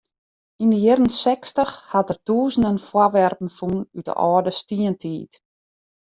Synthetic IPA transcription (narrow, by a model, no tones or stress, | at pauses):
indəjɪrən̩sɛkstəxhatərtuːzən̩dənfwarʋɛrpn̩funytə̰ʔɔːdəstiəntʰiːt